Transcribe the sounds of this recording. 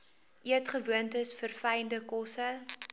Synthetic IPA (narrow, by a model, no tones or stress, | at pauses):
ʔiətχəvuəntəsfərfɛjndəkɔsə